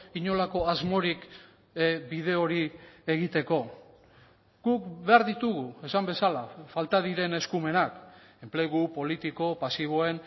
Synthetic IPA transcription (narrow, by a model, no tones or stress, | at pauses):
iɲo̞lako̞azmo̞ɾik | bið̞e̞o̞ɾie̞ɣit̪e̞ko̞ | ɡ̥ukbe̞aɾðit̪uɣue̞sambe̞salafalt̪aðiɾe̞ne̞skume̞nak | e̞mple̞ɣupo̞lit̪iko̞pasiβ̞o̞e̞n